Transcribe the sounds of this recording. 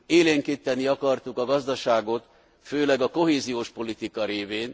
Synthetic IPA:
eːleːŋkit̪ːɛniɒkɒrt̪ukɒɡɒzd̪ɒʃaːɡo̞t̪ | føːlɛɡɒko̞ɦeːzijoːʃpo̞lit̪ikɒɾeːveːn

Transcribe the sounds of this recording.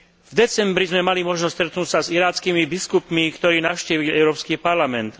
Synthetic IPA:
vd̪ɛt͡sɛmbɾizmɛmalimɔʒnɔsst̪ɾɛt̪nuːcsaziɾaːt͡skiːmibiskupmikt̪ɔɾiːnaʊʃciːʋilɛʊɾɔːpskipaɾlamɛnt̪

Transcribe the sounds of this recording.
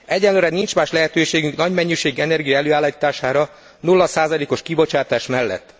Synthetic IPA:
ɛɟːɛnlːøːɾɛnint͡ʃmaːʃlɛɦɛt̪øːʃeːɡyŋknɒɟmɛɲːiʃeːɡɛnɛrɡijɒɛløːaːlːiːt̪aːʃaːɾɒ | nulːɒsaːzɒleːko̞ʃkibo̞t͡ʃaːt̪aːʃmɛlːɛ̰t̪ː

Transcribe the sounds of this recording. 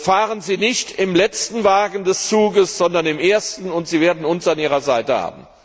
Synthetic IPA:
faːʁənziːnɪçtɪmlɛt͡stn̩vaːɡn̩dɛst͡suːɡəsz̥ɔndɐnɪmʔeːɐstn̩ʊntz̥iːveːɐdn̩ʊnsanʔiːʁɐzaɪtəha̰ːbm̩

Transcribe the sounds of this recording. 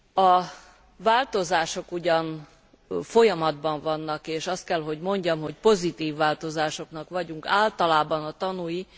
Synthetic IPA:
ɒ | vaːlt̪o̞zaːʃo̞kuɟɒn | fo̞jɒmɒd̪bɒɱvɒnːɒkeːʃɒst̪̚kɛlɦo̞ɟmo̞ɲɟɒmɦo̞cpo̞zit̪iːvːaːlt̪o̞zaːʃo̞knɒkʋɒɟuŋkaːlt̪ɒlaːbɒnɒt̪ɒnuji

